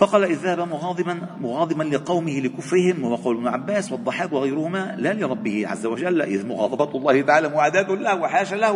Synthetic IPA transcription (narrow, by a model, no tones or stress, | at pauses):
fɑqɑːlaʔɪðːahabamʊɣɑd̪ˤnmʊɣɑːd̪ˤɨmanlɪqɑwmɪhɪlɪkʊfɾɪhɪmwhʊwaqɑwlɪbnʊʕabːaːswɑd̪ˤːɑħaːkwɪɣajɾʊhʊmaːlaːlɪɾˤɑbːɪhɪʕa̰zːawad͡ʒalːʔɪ̰ðmʊɣɑ̰ːd̪ˤɑbɑlˤːɑːhɪt̪aʕaːlaːmʊʕaːd̪aːt̪ʊhlahwɪħaːʃalah